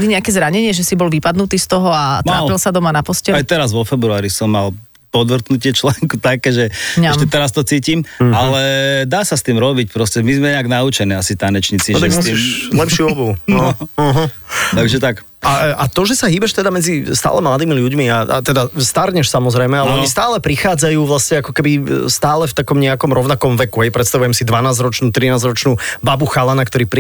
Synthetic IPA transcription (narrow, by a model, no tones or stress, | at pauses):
liɲɛakɛzɾaɲɛɲɪɛʒɛsibɔlʋipad̪nut̪iːst̪ɔɦɔat̪ɾaːlpilsad̪ɔmanapɔscɛajt̪ɛɾazʋɔfɛbɾuaːɾisɔmːal | pɔd̪ʋr̩t̪nucɪɛt͡ʃlɛŋkut̪akɛːʒɛɛʃɛt̪ɛɾast̪ɔt͡siːcimalɛd̪aːsast̪iːmɾɔbicpɾɔscɛmizmɛɲɛaɡnaut͡ʃɛniːasit̪anɛt͡ʃɲit͡siausilɛpʃɪuɔbunɔɦ̩t̪aɡʒɛt̪ak | aat̪ɔʒɛsaɦiːbɛʃt̪ɛd̪amɛd͡zist̪a̰ːlɛmlad̪iːmiʎuɟmiaa̰t̪ɛd̪ast̪aɾɲɛʃsamɔzɾɛjmɛalɛɔɲis̬t̪aːlɛpɾixaːd͡zajuːʋlasɲɛakɔkɛbist̪aːlɛft̪akɔmɲɛakɔmɾɔʊnakɔmʋɛkuɦɛjpɾɛt̪st̪aʋujɛmsid̪ʋanaːzɾɔt͡ʃnuːt̪ɾinaːzɾɔt͡ʃnuːbabuxalanakt̪ɔɾiːpɾi